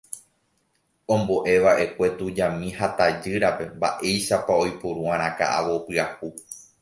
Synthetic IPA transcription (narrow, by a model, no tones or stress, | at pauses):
õ̞mbo̞ʔe̞ʋaʔe̞kʷe̞t̪ud͡ʒamĩhat̪ad͡ʒɨɾape̞mba̰ʔe̞jʃapaojpuɾũãɾ̃ãka̰ʔa̰ʋopɨahu